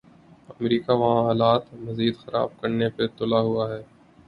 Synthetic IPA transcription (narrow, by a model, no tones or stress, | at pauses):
ɐmɾiːkaʋɐɦãɦaːlaːt̪mɐziːd̪xɐɾa̰ːb̚kɐɾnepet̪ʊlaɦʊaɦɛː